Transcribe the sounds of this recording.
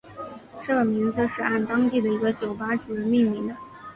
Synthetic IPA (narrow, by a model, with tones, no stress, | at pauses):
ʈ͡ʂɤ˥˩ɡə˩mi˧˥ŋd͡zɹ̩˧ʂɻ̩˥˧a˥˩nt̪ɑ˥ŋt̪i˥˩d̪ə˩i˧˥ɡə˧t͡ɕjo˨˩ʊpa˥ʈ͡ʂu˨˩˥mi˥˩ŋmi˧˥ŋd̪ə˧